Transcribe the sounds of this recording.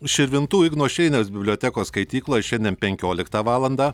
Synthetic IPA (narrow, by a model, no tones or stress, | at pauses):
ʃʲɪɾʲʋʲɪnt̪uːɪɡnuɔʃʲɛɪnʲɛs̬bʲɪbʲlʲoːt̪ʲækoːsskɐɪt̪ʲiːklˠoːjɛʃʲɛnʲd̪ʲɛnpʲɛŋʲkʲoːlʲɪkt̪ɑʋɑːlˠɐnd̪ɑː